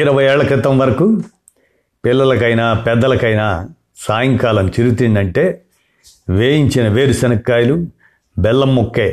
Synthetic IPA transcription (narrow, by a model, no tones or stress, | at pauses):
iɾɐʋɐjeːɭɐkɾɪt̪ɐmʋɐɾɐku | pilːɐlɐkɐjnaːpɛd̪ːɐlɐkɐjnaː | saːjɐŋkaːlɐmt͡ʃiɾuut̪ind̪ɐɳʈe̞ː | ʋeːjiɲt͡ʃinɐʋeːɾusɐnɐkːaːjlu | bɛlːɐmːokːeː